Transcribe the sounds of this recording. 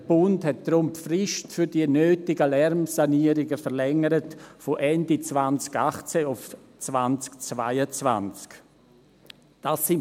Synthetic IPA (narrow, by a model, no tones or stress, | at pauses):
d̥əb̥ʊnthɛt̚d̪̥ɾʊmfrɪʃtfyɾdiənøːtɪɡəlɛɾmsaniəɾɪɡəfəɾlɛŋəɾətfoʔɛndit͡svant͡skaχt͡seʊf | t͡svant͡skt͡svaɪət͡sva̰nt͡sk | d̥asɪn